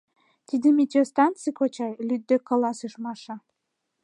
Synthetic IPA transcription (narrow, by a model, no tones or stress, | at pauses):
t̪ʲid̪əmʲit̪ʲjost̪ɑnt͡sikot͡ɕɑjlyd̪̚ːekːolɑsɯʃmɑʃɑ